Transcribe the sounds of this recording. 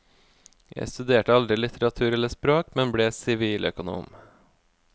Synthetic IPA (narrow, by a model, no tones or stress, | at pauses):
jʔæ̰ɪst̪ʉd̪eːʈəɑld̪ɾɪlɪt̪ʰəɾɑt̪ʰʉːɾɛləspɾoːkmɛnbɽeːsɪʋiːlʔœkʊnṵːm